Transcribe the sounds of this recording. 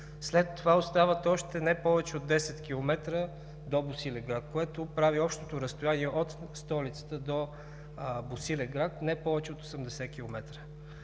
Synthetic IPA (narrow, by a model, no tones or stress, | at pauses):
slɛt̪ːovaost̪avət̪ɔʃt̪ɛnɛpɔvɛt͡ʃɛod̪ːɛsɛt̪k̟ʲilˠomɛt̪ɾə | d̪obʊsilɛɡɾat̪̚koɛt̪opɾaviɔpʃt̪ot̪oɾəst̪oʊjaniɛʔot̪st̪ɔlit̪sə̥t̪əd̪o | bosilɛɡɾat̪nɛpɔvɛt͡ʃɛot̪o̥səmd̪ɛsɛkʲilˠomɛt̪ɾə